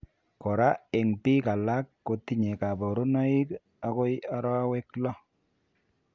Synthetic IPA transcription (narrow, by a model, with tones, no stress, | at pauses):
kɔ˨ɾa˦e˨ŋpi˦ka˨la˦kːo˨ti˦ɲe˨ka˨bo˨ɾo˦nɔ˦i˦k | a˦ko˦ja˦ɾɔ˦we˦klɔ˦